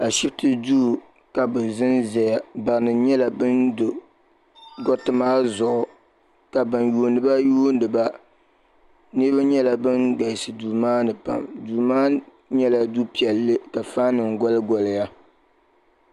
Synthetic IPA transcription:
a˨ʃi˦btɨ˦duː˦˨ | ka˨bɨ˨zɨ˦nzɛ˨ja˨ba˨nɨ˨ɲɛ˦la˨bɨ˦ndo˨ | ɡɔ˦tɨ˦maː˦zʊ˨ʔʊ˨ | ka˨bɨ˨njuː˨˦nɨ˦ba˦juː˦ndɨ˨ba˦ | nɨ˦ba˦ɲɛ˦la˨bɨ˦nɡa˨sɨ˨duː˨maː˦nɨ˨pa̰˨mduː˨maː˦ | ɲɛ˦la˨du˦pi˨ɛ˨lːɨ˦ka˨fa˦nɨ˨ŋɡɔ˦lɨ˦ɡɔ˨lɨ˨ja˦

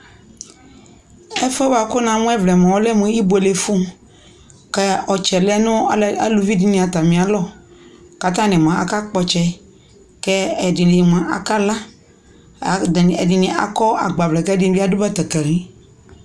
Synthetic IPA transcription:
ɛ˦fɛ˦ba˨kʊ˦nã˨˦mũ˦ɛ˦vlɛ˨mã˨wɔ˦lɛ˦mũ˨˦i˦bo˨e˨le˨fu˦m | kɛ˦ɔ˨t͡ʃɛ˨lɛ˦nʊ̃˦˨a˨lu˨vi˦di˨nĩ˨a˨t̪a˨mĩ˨a˨lɔ˦ | ka˨t̪ã˦nɪ̃˨m˨ã˨a̰˨ka˦k͡pɔ˨t͡ʃɛ˦ | kɛ˦ɛ˨dɪ˨dɪ˨m˨ã˨ʔa̰˨ka˦la˦˨ | ɛ˨dɪ˨nĩ˨ʔa̰˨kɔ˦a˨ɡ͡ba˨vlɛ˨kɛ˦dɪ˨˦bi˦a˨du˦ba˦t̪ɛ˨kɛ˨ɾĩ˦

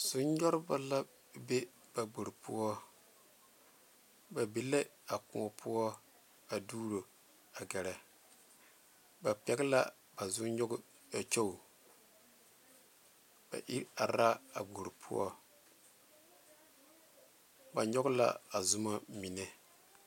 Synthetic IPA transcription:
z̥ʊ˦ɲ˦ɲɔ˦ɾɪ˦ba˦la˦ | be˦ | b̥a˨ɡ͡bo˨ɾpʰu˦ɔ˦ | ba˨be˦le˦a˨ku˨ɔ˨pʰu˦ɔ˦ | a˨duː˦ɾo˨ | a˨ɡɛ˨ɾɛ˨ | ba˨pɛ˦ɡɪ˦la̰˦ | ba˨zʊ˦ɲɔ˦ɡʊ˦ | a˨t͡ʃo˦˨ | b̥a̰˨ʔi˦a˨ɾa˦a̰˨ɡ͡bo˨ɾpʰṵ˦ɔ̰˦ | ba˨ɲɔ˦ɡʊ˦la̰˦a˨zʊ˦ma˦mi˨nɛ˦

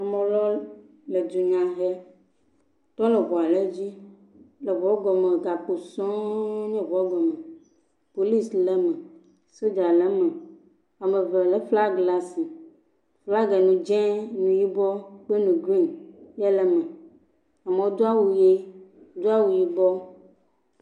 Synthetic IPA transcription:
a˨mẽ˨lɔ˦ | le˨d͡ʒ̪u˨ɲã˨ɦɛ˦ | t̪ɔ˦lɛ˨βɔ˨a˨le˦d͡ʑi˦ | lɛ˨vɔ˨˦ɡɔ˨mẽ˨ɡa˨k͡po˨sɔ̃˦ɲɛ̃˦vɔ˨˦ɡɔ˨me˨ | po˨li˦slɛ˦mɛ̃˨ | so˦d͡ʒa˨lɛ˦mɛ̃˨ | a˨mẽ˨ve˨lɛ˨fla˦ɡla˦si˨ | fla˦ɡɛ˨nũ˨d͡ʒɛ̃˦nũ˨ji˦bɔ˦k͡pe˦nũ˨ɡɾi˦njɛ˦lɛ˨mɛ̃˨ | a˨mẽ˨˦d̪o˦a˦wu˨je˦ | d̪o˦a˦wu˨ji˦bɔ˦

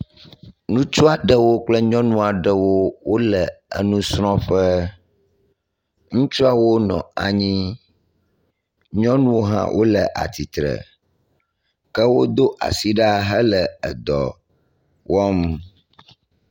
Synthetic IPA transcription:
nũ˦t͡ʃu˦a˨ɖə˦wo˦k͡plə˦ɲɔ̃˦nũ˦a˨ɖə˨wo˦wo˦lə˨ə̰˦nũ˦sɾ̃ɔ̃˦ɸə˦ | ŋũ˦t͡ʃu˦a˨wo˦nɔ̰̃˨a̰˨ɲĩ˦ | ɲɔ̃˦nũ˦wo˦ɦã̰˦wʔo̰˦lə˨ʔa̰˨t̪i˨t̪ɾə̰˨ | kə˦wo˦d̪o˦ʔa̰˨si˦ɖɛ˦a˨ɦə˦lə˨ə˨d̪ɔ̰˨ | wɔ˦m

